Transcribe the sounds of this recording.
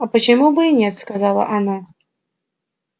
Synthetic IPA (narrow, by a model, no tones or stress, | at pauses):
ɐpɐt͡ʃamubɨinʲɛt̪skazalˠɐ̰ʔanɔ